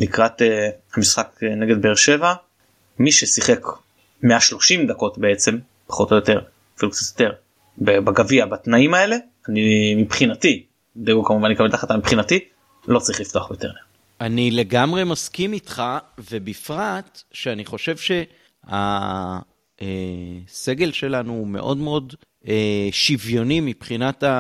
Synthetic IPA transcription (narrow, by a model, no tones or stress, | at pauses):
likʁat̪ehamisχakne̞ɡe̞d̪beːʁʃe̞va | miʃesiχe̞k | me̞aʃlo̞ʃimd̪ako̞tbe̞et͡se̞m | pḁχo̞t̪ojot̪e̞ʁ | filukt͡sat̪jot̪e̞ʁ | bebaɡaviabat̪naimae̞le̞ | animipχinat̪i | d̪eɡokamuvanikametaχatamipχinat̪i | lo̞t͡saʁiχlift̪oaχbejot̪eʁ | anile̞ɡamʁe̞maskimitχave̞bifʁat̪ʃeaniχo̞ʃe̞vʃe̞ | a̰ | ese̞ɡe̞lʃe̞lanume̞̰ʔo̞̰dme̞o̞d | eʃivjo̞nimipχinata